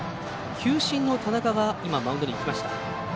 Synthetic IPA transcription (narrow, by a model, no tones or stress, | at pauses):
kʲʰɨːɕĩnːo̞t̪anakaɡaimamãɯ̃nd̪oɲʲiːkʲimaɕi̥t̪a